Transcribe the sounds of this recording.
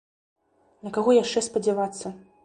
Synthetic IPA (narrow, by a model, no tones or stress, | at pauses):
nɐkaɣɔjaʂt͡ʂɛspɐd͡zʲɛvat̪sːɐ